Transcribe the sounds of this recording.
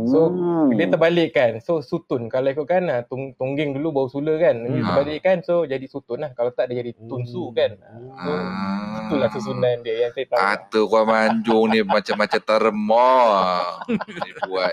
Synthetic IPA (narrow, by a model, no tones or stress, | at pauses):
soliət̪əbalɪʔkansosut̪ʊnkaloikuʔ̚kanat̪uŋt̪uŋɡɪŋdulubawəsuləhkanəitərbalɪʔkansod͡ʒadisut̪ʊnlahkalat̪aʔdad͡ʒadit̪unsukanasosut̪unlasəsunajnbiajaŋsajt̪aat̪əkuamaɲd͡ʒʊŋnimat͡ʃamːat͡ʃat̪əɾəmɔ | nibuat̪